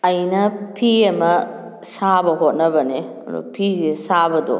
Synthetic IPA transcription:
ɐjnɐpʰiɐmɐ | sabɐɦot̚nɐbɐne | ɐ̰dṵpʰizesabɐdo̰

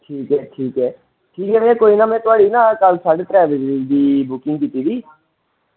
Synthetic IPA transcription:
ʈʰiːkɦɛːʈʰiːkɛː | ʈʰiːkɛːʋɛ̃ːkoːiːnãːmɛ̃ːt̪ʊaːɽiːnãːkəlsaːɖet̪ɾɛːʋəd͡ʒɾiːld̪iːbʊːkɪ̃ŋɡkiːt̪iːd̪iː

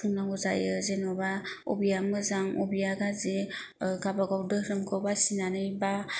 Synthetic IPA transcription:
uŋnaŋɔzajəzenɔbaɔbijamɡɯzaŋɔbijaɡazi | ɡabaɡawdɯɾɯmkʰɔbasinanɯjba

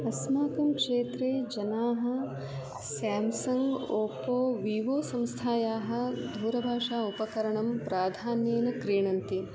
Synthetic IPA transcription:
ɐsmaːkɐmkʂeːt̪ɾeːd͡ʒɐnaːɦɐ̆ | saːmsɐŋɡoːpoːʋiːʋoːsɐmst̪ʰaːjaːɦɐ̆d̪ʱuːɾɐbʱaːʂaːupɐkɐɾɐɳɐmpɾaːd̪ʱaːneːnɐkɾiːɳɐnt̪i

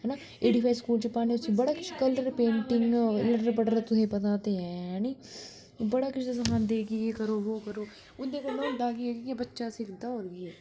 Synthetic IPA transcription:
ɦɛːnaː | eːɖipʰaːiskuːlt͡ʃəpaːneʊsibəɽaːkɪt͡ʃʰkəlɾpeːɳʈɪŋɡləɾɾpəɽəɾt̪ʊsẽːpət̪aːt̪eɛ̃ːniː | bəɽaːkɪt͡ʃʰd̪əsəkʰãːnd̪eːkieːkəɾoːʋoːkəɾoː | ʊd̪eːkəlaʊnd̪aːɡiɛːkiɛbətːʃaːsɪkʰd̪aːɦoːɾɡiɛː

